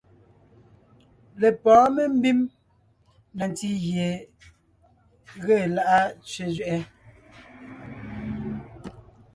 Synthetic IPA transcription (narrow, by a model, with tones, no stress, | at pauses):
le˨pɔː˨˦me˦m̩˦bi˦m | na˨n˨ti˦ɣje˨ | ɣe˦˨la˦ʔa˦t͡ʃɥe˨zɥɛ˨ʔɛ˦